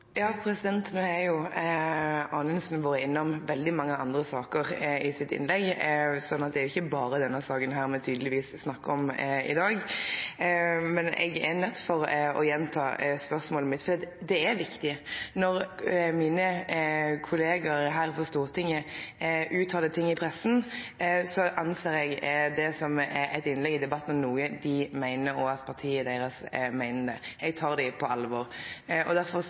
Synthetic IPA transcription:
jɑːpʰɾɛsɪd̪ɛnt̪nʉːæɾjʊ | ɑːnənsnʋoːɾəɪnːɔmʋɛld̪ɪmɑŋːəɑnd̪ɾəsɑːkəʁɪsɪt̪ɪ̰nlɛɡːsɔnːɑt̪̚d̪ɛæɾʊɪçːəbɑːɾəd̪ɛnːəsɑːkənɦæːɾmɛt̪ʰyːd̪əlɪʋiːssnɑkːəɔmɪ̰d̪ɑːɡ | mɛnɛ̰ɡɛɾnœt̪ːfɔɾɔ̰jɛnt̪ʰɑ̰ːspœɾsmoːləmɪt̪ːfɔd̪iːɑt̪d̪ɛɛɾʋɪkt̪ɪnɔɾmiːnə | kʰʊleːɡɑɾɦæːɾfɔst̪uːʁt̪ʰɪŋːəʔʉːt̪ʰːɑːd̪ət̪ʰɪŋːɪpʰɾɛsːn̩ | sɔʔɑnseːɾɛɡd̪ɛsɔmɛæɪt̪ɪnlɛɡɪd̪ɛbɑt̪ːn̩ɔmnuːəd̪ɪmæɪnəɾɔɑt̪pʰɑʁt̪ʰiːəd̪eːɾəsmæɪnəd̪ɛ̰ɛɡt̪ʰɑːɾd̪æpʰɔɑlʋɔːɾʔɔd̪æɾfɔ

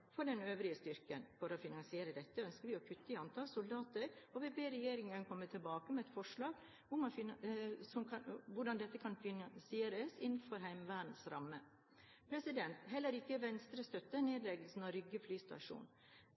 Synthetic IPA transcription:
fɔɖɛnøːʋɾɪəst̪ʏɾkənfɔɾɔfɪnɑnsɪeːɾəd̪ɛt̪ːəœnskəɾʋɪɔpʰʉt̪ːəɪɑnt̪ʰɑlsʊld̪ɑːt̪əɾɔʋɪbeːɾɛjeːɾɪŋənkʰɔmːət̪ʰɪlbɑːkəmɛɛt̪fɔʂɭɑːɡ | ʊmɔfɪsɔmkʋʊɖɑnd̪ɛt̪ːəkʰɑnfɪnɑnsɪeːɾəsɪnn̩fɔɾɦæɪmʋæːɖn̩sɾɑmːə | pʰɾɛsɪd̪ɛnt̪ɦɛlːəɾɪkːəʋɛnst̪ɾəst̪œt̪ːəneːd̪lɛɡəlsn̩ɑɾʏɡəflyːst̪ɑ̰ʂṵːn

